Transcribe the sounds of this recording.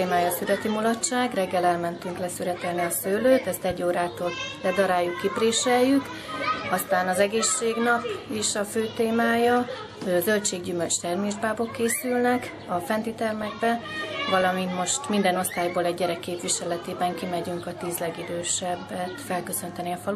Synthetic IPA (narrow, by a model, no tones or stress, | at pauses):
eːmaːjɒsylɛt̪imulɒt͡ʃːaːɡrɛɡːɛlɛlmɛnt̪yŋklɛsyɾɛt̪ɛlniɒsøːløːt̪ɛst̪ɛɟːoːɾaːt̪oːllɛd̪ɒɾaːjːukːipreːʃɛjːyk | ɒst̪aːnɒzɛɡeːʃːeːɡnɒpiʃɒføːt̪eːmaːjɒ | øzø̞lt͡ʃeːɡɟymølt͡ʃt̪ɛrmeːʒbaːbo̞kːeːsylnɛk | ɒfɛnt̪it̪ɛrmɛɡbɛvɒlɒmint̪mo̞ʃt̪mind̪ɛno̞st̪aːjboːlɛɟːɛɾɛkːeːpʋiʃɛlɛt̪eːbɛŋkimɛɟyŋkɒt̪iːzlɛɡid̪øːʃɛbːɛt̪fɛlkø̞sø̞nt̪ɛniɒfɒlu